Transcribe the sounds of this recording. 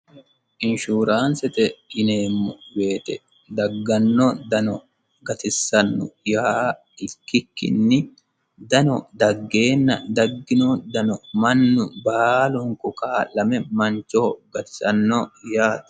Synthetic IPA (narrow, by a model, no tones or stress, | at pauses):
ʔɪnʃuːɾaːnsɛt̪ɛɪne̞ːmːʊbe̞ːt̪ɛ | d̪ɐɡːɐnːod̪ɐnɔ | ɡɐt̪ɪsːɐnːʊja | ɪkːɪkːɪ̰nːɪ | d̪ɐnɔd̪ɐɡːe̞ːnːɐd̪ɐɡːɪnod̪ɐnɔmɐnːʊbaːlʊŋkʊkaːlɐmɛmɐnt͡ʃoːɡɐt̪ɪ̥sɐnːojaːt̪